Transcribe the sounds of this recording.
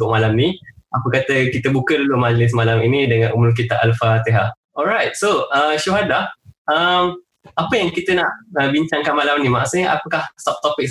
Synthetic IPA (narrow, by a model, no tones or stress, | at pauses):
ʊʔ̚malamnĩʔapəkat̪əkit̪əbukədulomad͡ʒlɪs̬malaminĩdəŋãnumʊlk̬it̪aʔalfat̪eɦaʔ | ɔlɾajt̪̚soəʃuɦadaəm | apəjaŋkit̪ənaʔəbiɲt͡ʃaŋkanmalamnĩma̰ʔsɲəʔa̰pəkahsap̚t̪opɪk̚